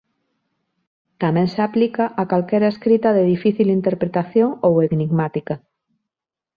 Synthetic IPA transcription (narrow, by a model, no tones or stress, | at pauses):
t̪amẽŋseaplikaʔakalkeɾaeskɾit̪aðeðifiθilint̪eɾpɾet̪aθjoŋoweɣniɣmat̪ika